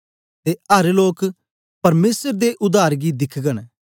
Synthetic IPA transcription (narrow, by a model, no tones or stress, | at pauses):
t̪eːɐɾloːk | pɐɾmeːsəɾd̪eʔʊd̪aːɾɡid̪ɪkʰɡən